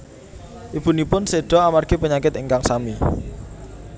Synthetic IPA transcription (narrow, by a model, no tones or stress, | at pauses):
ʔib̥ṳnipʊnseɖ̥ɔ̤amarɡ̥epəɲakɪt̪əŋkaŋsami